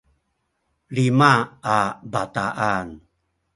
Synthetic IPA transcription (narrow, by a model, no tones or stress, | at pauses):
limaabat̪aʔan